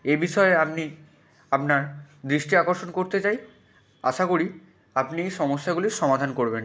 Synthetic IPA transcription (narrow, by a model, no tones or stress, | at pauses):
ebiʃɔeapni | apnaɾd̪ɾiʃʈiakoɾʃonkoɾt̪et͡ɕaj | a̰ʃakoɾi | apniʃɔmoʃːaɡuliɾʃɔmad̪ʱankoɾben